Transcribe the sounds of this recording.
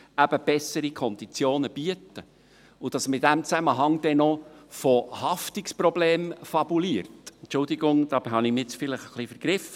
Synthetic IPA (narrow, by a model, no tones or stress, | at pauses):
æb̥əb̥ɛsəɾikʰɔnd̥̪it͡sjoːnəb̥yətə | ʊd̥ɑsmɪtd̥æmt͡sæməɦɑŋd̥̪ɛnɔfohɑftɪksprɔbleːmfɑbuliːəɾtɛntt͡ʃʊld̪iɡʊŋd̥ɑbhɑnɪmt͡sfɪləχəχlifəɾɡ̥ɾɪfə